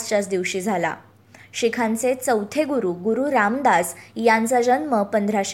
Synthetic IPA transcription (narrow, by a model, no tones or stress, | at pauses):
st͡ɕasd̪iʋɕiːd͡zʱala̰ | ɕikʰãnt͡set͡səwt̪ʰeɡuɾuɡuɾuɾamd̪asjãnt͡sad͡ʑənməpənd̪ʱɾaɕ